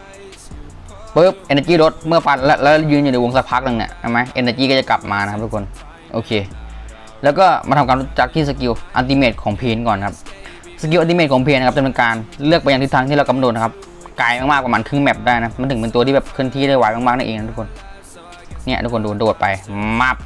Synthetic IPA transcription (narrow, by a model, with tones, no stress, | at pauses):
pɤː˦˥˩p̚ʔe˧nːaː˧kiː˥˩ɾo˦˥t̪̚mɯ˥˩ɐpa˧˩nlɛ˦˥lɛː˧˦˥ljuː˧n˧nju˨˩na˧jwo˧ŋsa˧˥pʰa˦˥k̚nɯ˧ŋni˧˩ɐt͡ɕʰa˥˩ma˦jʔe˧naː˧kiː˥˩kɔ˥˩t͡ɕa˨˩kla̰˨˩p̚maː˧na˧˥ka˦˥t̪ʰu˥kʰo˧n | ʔoː˧˩kʰeː˧ | lɛː˦˥wkɔː˥˩ma̰˧nt̪ʰa˧ka˧nɾu˦˥t͡ɕa˨˩k̚t̪ʰiː˥˩s̬a˧ki˧wʔa˧t̪̬i˧meː˧˩t̪̚kʰɔː˩˦ŋpʰiː˧nkɔː˨˩nkʰa˦˥p̚ | sa˧ki˧wa˧t̪i˧eː˧˩kʰɔ˩˦ŋpʰiː˧n˧ka˦˥p̚t̪ʰːpe˧kaː˧nlɯ˥˩ək̚a˧ja˧t̪ʰi˦˥t̪ʰaː˧ŋt̪ʰiː˥˨ɾa˧ka˧mno˨˩t̪̚a˧kʰa˦˥p̚ | kaː˧jmaː˧ŋmaː˥˩kwaː˨˩ma˧nk̪ʰɯ˧˥˩ŋmɛ˨˩p̚daː˥˩jna˦˥ma˧nt̪ʰɯ˩˦pe˧nt̪u˧t̪ʰiː˥bɛː˨˩p̚kʰɯ˥˩əŋt̪ʰiː˥˩ɾa˥˩waː˨˥jmaː˧maː˥˩na˥˩ʔeː˧ŋna˧˥˩t̪ʰu˦˥kʰo˧n | ni˥˩ɐʔ̪ʰu˦˥kʰːo˧duː˧ndoː˨˩t̪̚pa˧jma˦˥˩p̚